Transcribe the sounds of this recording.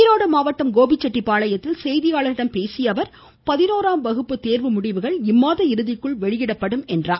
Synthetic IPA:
ɪɾoːɽɐmaːʋɐʈːɐmɡoːbɪt͡ʃːɛʈːipːaːɭɐjɐt̪ːɪlsɛjðɪjaːɭɐɾɪɽɐmpeːsɪjɐʋɐɾ | pɐðɪnoːɾaːmʋɐɣɯpːɯt̪eːɾʋɯmʊɽɪʋɯɣɐɭɪmːaːðɐɪɾɯðɪkːɯɭʋɛɭɪjɪɽɐpːɐɽɯmɛndraː

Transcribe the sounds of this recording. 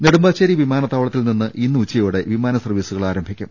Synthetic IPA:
neɽumbaːɕɐɾiʋimaːnɐt̪aːʋɐɭɐt̪ːilninːɨʔinːuut͡ɕːɐjoːɽe̞ʋimaːnɐsɐrʋiːsuɣɐɭaːɾɐmbʱikʲːum

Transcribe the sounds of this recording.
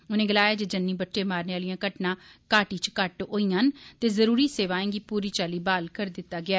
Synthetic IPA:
ʊnẽːɡəlaːjaːd͡ʒed͡ʒənːĩːbəʈːʃeːmaːɾneːaːlijãːkəʈnãːkaːʈiːt͡ʃkəʈɦoːijãːnt̪eːzəɾuːɾiːseːʋaːẽːŋɡiːpuːɾiːt͡ʃaːliːbaːlkəɾd̪ɪt̪ːaːɡɪaː

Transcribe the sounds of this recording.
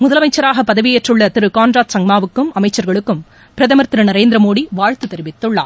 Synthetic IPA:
mʊðɐlɐmɐɪt͡ʃːɐɾaːɣɐpːɐðɐʋɪjɛʈrɯɭːɐt̪ɪɾɯkaːnɾaːt̪sɐŋmaːʋɯkːɯmɐmɐɪt͡ʃːɐɾɣɐɭɯkːɯm | pɪɾɐðɐmɐɾt̪ɪɾɐnɐɾeːnd̪ɾɐmoːɽiʋaːɻt̪ɯt̪ːɛɾɪʋɪt̪ːɯɭːa̰ː

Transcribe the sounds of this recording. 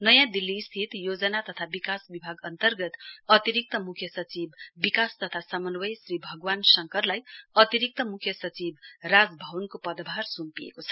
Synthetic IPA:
nʌjãd̪ilːist̪ʰit̪jod͡zʌnat̪ʌt̪ʰabikasbibʱaɡʌnt̪ʌrɡʌt̪ʌt̪iɾik̚t̪ʌmukʰjʌsʌt͡sibːikast̪ʌt̪ʰasʌmʌnwʌjsɾibʱʌɡwansʌŋkʌrlajʌt̪iɾik̚t̪ʌmukʰjʌsʌt͡sibrad͡zbʱʌwnkopʌd̪bʱarsumpijḛkot͡sʰʌ̥

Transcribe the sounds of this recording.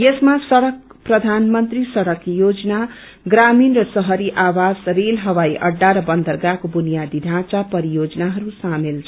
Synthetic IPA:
jesmasʌɽʌk̚prʌd̪ʱanmʌnt̪risʌɽʌkjod͡zʌna | ɡraminrʌsʌɦʌɾiʔawasrelɦʌwaiʔʌ̰ɖːaɾʌbʌnd̪ʌrɡakobunijad̪id̪ʱãt͡sapʌɾijod͡zʌnaɦʌɾusamelt͡sʰʌ

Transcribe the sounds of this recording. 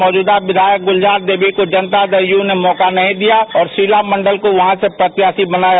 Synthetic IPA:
ɔːd͡ʒuːd̪aʋɪd̪ʱaːjək̚ɡʊld͡ʒaːɾd̪eːbikod͡ʒənt̪ad̪əɾjunemɔːkanɐɦĩd̪ijaɔːɾsiːlamə̃ɳɖəlkoʋɐɦãsepɾət̪jaːsibənaːja

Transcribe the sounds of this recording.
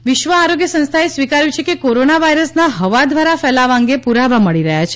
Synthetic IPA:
ʋɪʃʋəaɾoɡjəsə̃ñst̪ʰaesʋikaɾjũt͡ʃʰekekoɾonaʋaiɾəsnaɦəʋad̪ʋaɾafɛlaʋaŋɡepuɾaʋaməɭiɾəɦjat͡ʃʰe̥

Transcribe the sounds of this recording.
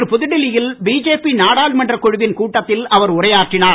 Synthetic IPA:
ɾɯpʊðɪɽɪlɪjɪlbiːd͡ʒeːpinaːɽaːlmɐndrɐkːɔɻʊʋɪnkuːʈːɐt̪ːɪlɐʋɐɾʊrɐjaːʈrɪnaː

